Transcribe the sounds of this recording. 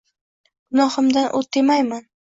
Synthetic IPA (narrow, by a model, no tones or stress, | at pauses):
ɡ̥ʊnɒhʊmd̪anʔot̪emajman